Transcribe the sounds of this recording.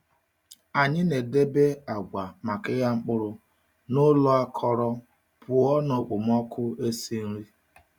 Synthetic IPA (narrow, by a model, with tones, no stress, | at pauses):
a˨ɲɪ˦ne˨de˦be˦a˨ɡʷa˨ma˨kɪ˦ja˦ŋ͡m̩˦k͡pʊ˦ɾʊ˦ | nʊ˦lɔ˦a˦kʰɔ˦ɾɔ˦ | pʊ˨ɔ˦nɔ˨k͡po˨m˦ɔ˦kʰʊ˦e˦si˦n̩˦ɾi˦